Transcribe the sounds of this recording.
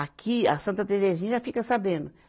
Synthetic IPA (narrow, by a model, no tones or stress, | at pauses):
akʰiasɐ̃nt̪ɐt̪eɾezɐʒẽt̪t͡ʃɪʒafikɐsabẽnd̪ʊ